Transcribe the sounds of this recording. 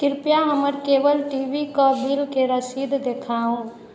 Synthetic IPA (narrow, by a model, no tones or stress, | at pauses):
kɪɾpjaɦəməɾkebəlʈiʋikəbʱilkeɾəsid̪ʱd̪ekʰaɦũ